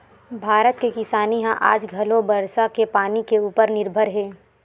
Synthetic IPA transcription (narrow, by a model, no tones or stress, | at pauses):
bʱaːɾət̪kekɪsaːniɦãʔa̰ːd͡ʒɡʱɐlõbɐɾsakepaːnikeuːpəɾnɪɾbʱəɾɦɛː